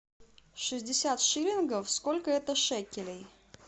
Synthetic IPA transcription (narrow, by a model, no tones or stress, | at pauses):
ʂɨzʲdʲɪsʲat̪ʂɨlʲɪnɡəfskolʲkəɛt̪əʂɛkʲɪlʲɪj